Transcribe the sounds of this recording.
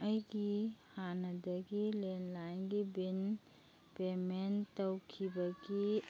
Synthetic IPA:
əikihanəd̪əkilenlaẽŋɡibin | pement̪əwkʰibəki

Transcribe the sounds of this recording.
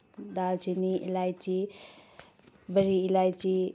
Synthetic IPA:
d̪alt͡ʃiniʔḭlajt͡ʃi | bəɾiːlajt͡ʃi

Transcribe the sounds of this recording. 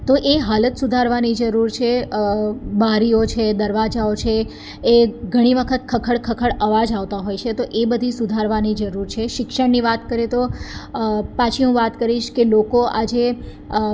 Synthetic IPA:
t̪oʔeɦalət̪sud̪ʱaɾʋanid͡ʒəɾuɾt͡ʃʰe | baɾiot͡ʃʰed̪əɾʋad͡ʒaot͡ʃʰeː | ɡʱəɽ̃iʋəkʰət̪kʰəkʰəɭkʰəkʰəɭəʋad͡ʒaʋt̪aɦojt͡ʃʰet̪oʔebəd̪ʱisud̪ʱaɾʋanid͡ʒəɾuɾt͡ʃʰeʃɪkʃəɽniʋat̪kəɾet̪o | pat͡ʃʰiɦũʋat̪kəɾiʃkelokoʔad͡ʒe

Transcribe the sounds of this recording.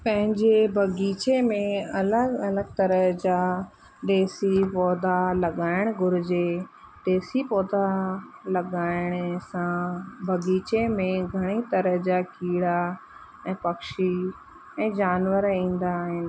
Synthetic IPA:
pɐ̃ɦɪ̃ɲd͡ʑebʱɐɡiːt͡ɕemẽɐləɡɐləɡt̪ɐɾəɦd͡ʑa | ɗ̪eːsipɔːd̪ʱalɐɠaːɪɽ̃ɡʱʊɾɪd͡ʑe | ɗ̪eːsipɔːd̪ʱalɐɠaːɪɽ̃sãbʱɐɡiːt͡ɕemẽɡʱɐɽ̃it̪ɐɾəɦd͡ʑakiːɽa | ɛ̃ːpɐkʃi | ɛ̃ːd͡ʑaːnʋəɾĩːn̆d̪aːɦɪnɪ̆

